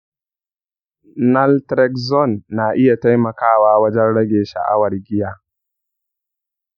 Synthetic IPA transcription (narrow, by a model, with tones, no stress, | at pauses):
nɐ˦ltɾɛ˦kzɔ˦˨nːaː˨ʔɪ˦ja˨ta˦jmɐ˨kaː˦waː˦wɐ˦d͡ʒɛ˦nɽɐ˦ɡʲeː˨ʃa̰˨ʔa̰˦wɐ˨rɡʲɪ˦jaː˦